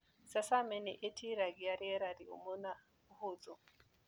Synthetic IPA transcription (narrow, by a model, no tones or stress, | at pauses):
sasamɛnɛ̰ʔetʰiɾaɡiaɾɛɾaɾiṵmona | hod͡zɔ